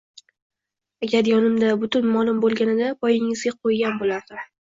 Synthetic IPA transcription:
aɡʲaɾjɒnɪmd̪abʊt̪ʊnmɒlˠʊmbolˠɡʲanɪd̪apʰɒjɪŋɪzɡʲaqʰojɡʲanbolaɾd̪ɪ

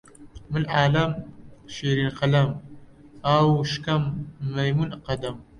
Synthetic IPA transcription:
mɨlʕaːlɐmʃiːɾinqɐlɐm | awʃkɐmːɐjmunqɐd̪ɐm

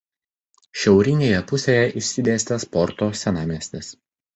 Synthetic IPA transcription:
ʃʲɛʊɾʲɪnʲeːjɛpʊsʲeːjɛʔɪʃʲsʲɪd̪ʲeːsʲt̪ʲɛspɔɾt̪oːsʲɛnɑːmʲiɛsʲt̪ʲɛs

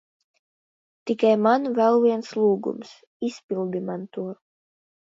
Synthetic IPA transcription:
t̪ikajmanvɛlˠvʲiɛnslˠuːɡṵms | isʲpʲilˠd̪imant̪uɔɾ

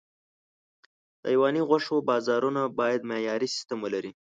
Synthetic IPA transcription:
t̪ɑ̰jwɑniɣwaʂobɑzɑɾunabɑjad̪mejɑɾisɪ̥st̪əmolaɾi

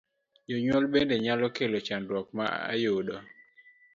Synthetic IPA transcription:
joɲwɔlbendeɲalɔkelot͡ʃandwɔkmaa̰jodɔ

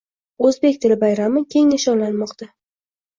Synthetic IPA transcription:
ɵzbe̞kʲt̪ʰɪlɪbajɾamɪkʲʰe̞ŋnɪʃɒwlanmɒqt̪ʰa

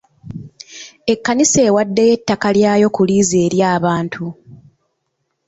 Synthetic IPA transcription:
e̞kːanise̞ːwadːe̞je̞tːakaljaːjo̞kuliːzeːɾjaːβaːntʰu

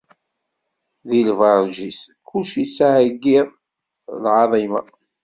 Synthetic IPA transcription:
ðilvɑɾˤʒiskʊlʃit͡sːaʕəɡːiðˤ | lʕɑðˤima

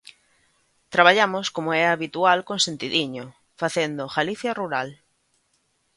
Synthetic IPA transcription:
t̪ɾaβaʎamʊskomʊɛaβit̪ualkõnsent̪iðiɲo | faθend̪ʊɣaliθjaruɾal

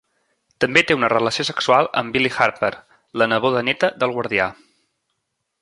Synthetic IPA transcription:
t̪əmbet̪eunərələsiosəksualˠə̰mbilixaɾpəɾ | lənəβoðənɛt̪əðəlˠɣwəɾðia

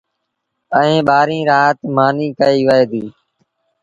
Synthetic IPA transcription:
əẽːɓaːɾĩːɾaːɦt̪maːniːkəiːʋəeːd̪iː

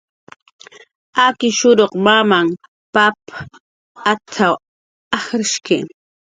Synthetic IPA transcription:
akɪʃʊɾoqmamam | papa | at͡sʰaw | ahɾɪʃkḛ

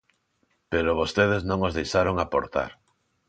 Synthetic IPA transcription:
peɾoβ̞ost̪eð̞eznõŋozðejʃaɾoŋapo̰ɾt̪a̰ɾ

